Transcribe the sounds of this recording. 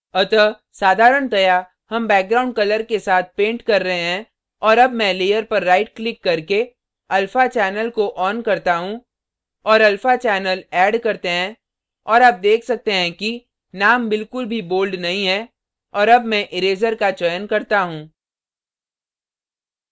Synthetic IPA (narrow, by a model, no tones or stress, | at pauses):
ɐt̪ə | saːd̪ʱaːɾəɳt̪ɐja | hɐmbɛːk̚ɡɾaːʊ̃ɳɖ̚kɐləɾkesaːt̪̚ʰpẽːɳʈkɐɾːɐɦeɦɛ̃ | ɔːɾɐbmɛ̃leːjəɾpɐɾːaːɪʈklɪkːɐɾke | ɐlfat͡ʃɛːnəlkoʔɔːnkɐɾt̪aɦũ | ɔːɾɐlfat͡ʃɛːnəlɛːɖkɐɾt̪eɦɛ̃ | ɔːɾaːb̚d̪eːkʰsɐk̚t̪eɦɛ̃ki | naːmbɪlkʊlbʱiboːlɖnɐɦĩɦɛ | ɔːɾɐbmɛ̃ʔɪɾeːzəɾkat͡ʃɔjənkɐɾt̪aɦũː